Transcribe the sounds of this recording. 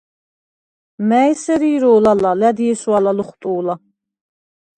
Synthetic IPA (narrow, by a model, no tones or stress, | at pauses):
mæjsɛɾiːɾɔːlalalæd̪iɛsualaluχt̪ʼuːla